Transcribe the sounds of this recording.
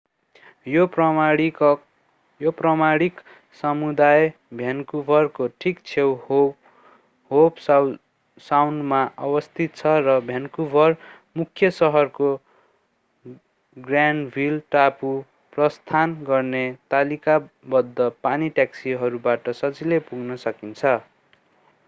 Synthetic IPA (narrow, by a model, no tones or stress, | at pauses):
jop | joprʌmaɽik | sʌmud̪aj | bʱjankubʱʌrkoʈʰikt͡sʰew | ɦob | sawnɖmaʔʌbʌst̪ʰit̪̚t͡sʰʌrʌbʱjankubʱʌr | mukʰjʌsʌɦʌrko | ɡranɖbʱilʈapu | prʌst̪ʰanɡʌrnet̪alikabʌd̪ːʌpaniʈjaksiɦʌɾubaʈʌsʌt͡silepuɡnʌsʌkint͡sʰʌ